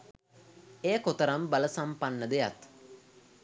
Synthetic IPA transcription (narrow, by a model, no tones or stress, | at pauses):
eːkot̪əɾambaləsampanːəd̪eja̰t̪